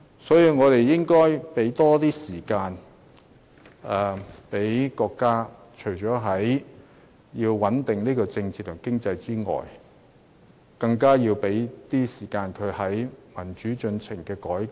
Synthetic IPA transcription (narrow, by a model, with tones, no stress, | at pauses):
sɔː˨˥jiː˧wŋɔː˨˧t̪e˨jjɪ˥ŋkɔː˥jpe˨˥jt̪ɔː˥t̪iː˥siː˨˩kaː˧n | ɛ˨pe˨˥jkɔː˧kːaː˥ | t͡ʃʰɵ˨˩ɥt͡ʃɔː˨˥ɦɐ˨˥j | jiː˧wwɐ˨˥nt̪ɪ˨ŋniː˥kɔː˧t͡sɪ˧ŋt͡siː˧t̪ʰʊ˨˩ŋkɪ˥ŋt͡sɐ˧jt͡siː˥ŋɔ̰ː˨˩j | kɐ˧ŋkaː˥jiː˧wpe˨˥jt̪iː˥siː˨˩kaː˧nkʰɵ˨˧ɥhɐ˨˥jmɐ˨˩nt͡ʃyː˨˥t͡ʃɵ˧nt͡sʰɪ˨˩ŋkɛː˧kɔː˨˥j